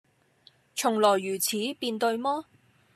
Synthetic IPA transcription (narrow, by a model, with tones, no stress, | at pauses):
t͡sʰʊ˨˩ŋlɔː˨˩jːyː˨˩t͡sʰiː˨˥piː˧nt̪ɵ˧ɥmɔː˥